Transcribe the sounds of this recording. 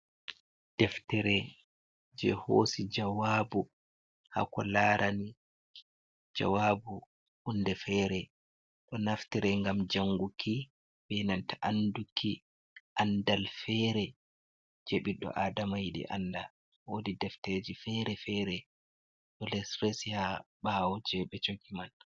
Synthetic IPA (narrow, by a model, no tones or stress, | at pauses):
d̥ɛftɛɾɛ | d͡ʒɛ̰ho̰ːsid͡ʒawaːbu | ha̰kɔlaɾʔani | d͡ʒa̰wabu | ʔundɛfɛɾɛ | ɗɔnaftɛɾɛŋɡamd͡ʒaŋɡukʰi | bɛnantaʔandukʰːi | ʔandalfɛɾɛ | d͡ʒeɓiɗːɔ̰ʔaːdamajiɗḭʔa̰nda̰ | wodidɛfted͡ʒifɛɾɛfɛɾɛ | ɗɔlɛsɾɛsihaɓawɔd͡ʒɛɓɛt͡ʃoɡiman